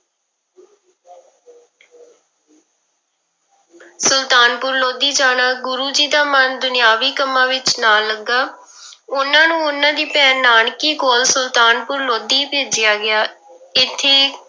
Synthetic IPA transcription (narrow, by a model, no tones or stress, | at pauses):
sʊlt̪aːnpʊɾloːd̪iːd͡ʒaːnaːɡʊɾuːd͡ʒiːd̪aːmənd̪ʊnɪjaːʋiːkəmːãːʋɪt͡ʃnaːləɡːaː | ʊnãːnũːʊnãːd̪iːpɛːnaːɳkiːkoːlsʊlt̪aːnpʊɾloːd̪iːpeːd͡ʒɪjaːɡɪjaːɪt̪ʰːeː